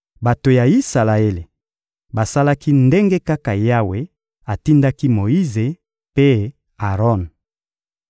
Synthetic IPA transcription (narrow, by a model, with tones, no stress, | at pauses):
ba˨to˨ja˨i˦sa˨la˨e˦le˨ | ba˨sa˦la˦ki˦nde˦ŋɡe˦ka˦ka˨ja˦we˦ | a˨ti˦nda˦ki˦mo˨i˦ze˨ | pe˦ | a˨ʁɔ˦˨n